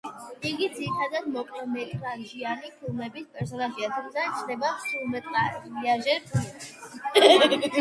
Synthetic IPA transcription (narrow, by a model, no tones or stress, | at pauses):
iɡid̪ziɾit̪ʰad̪ad̪mɔkʼɛmɛliɾaʒianipʰilˠmɛbispʼɛɾsɔnaʒiat̪ʰumsat͡ʃʰd̪ɛbapsulˠmɛt̪ʼaɾiaʒɛɾpʰɛ